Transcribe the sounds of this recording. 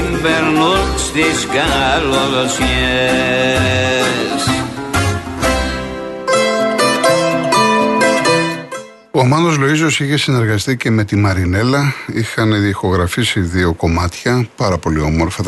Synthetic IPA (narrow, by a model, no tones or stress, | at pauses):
mbeɾnust̪isɡɐlolosie | s | omɐnðo̞zlo̞izo̞siçe̞sine̞ɾɣɐst̪ice̞me̞t̪imɐɾine̞lɐixɐnðixo̞ɣɾɐfisiðio̞ko̞mɐt̪çɐpɐɾɐpo̞liomo̞ɾfɐ